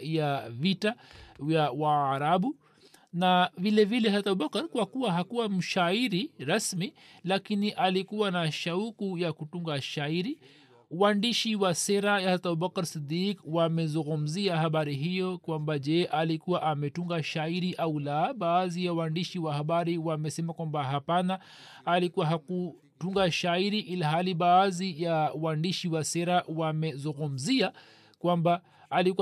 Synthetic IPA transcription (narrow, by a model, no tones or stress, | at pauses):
javitajawaːɾaɓu | navilɛvilɛhatauɓakaɾkwakuwaɦakuwam̩ʃaiɾiɾasmilakiniʔalikuwanaʃaukujakutuŋɡaʃaiɾi | uwandiʃiwasɛɾajahat̪aubakaɾsid̪ikwamɛzuŋɡum̩ziahaɓaɾiɦijɔkwambaʄɛʔalikuwaʔamɛtuŋɡaʃaiɾiʔaulaɓaːzijawandiʃiwahaɓaɾiwamɛsɛmakwambaɦapanaː | likuwaɦaku | tuŋɡaʃaiɾiʔilaɦaliɓaːzijawandiʃiwasɛɾawamɛzuŋɡum̩zia | kwambaː | liku